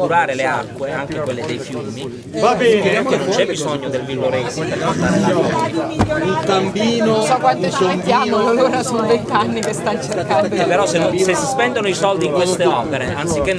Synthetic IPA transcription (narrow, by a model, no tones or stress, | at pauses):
kuɾaːɾelea̰kːweaŋk̟ekwelːed̪ejfjumi | vabɛeaenont͡ʃːɛbbizoɲːod̪elvilːoɾesipeast̪aːɾɔ | iŋt̪ambiːnosɔkːwanosent̪jamololoːɾasonvent̪anːikest̪ant͡ʃerkand̪opeɾɔsesesːispɛnd̪onoisɔld̪iŋkwest̪eɔːpeɾeant̪sikːe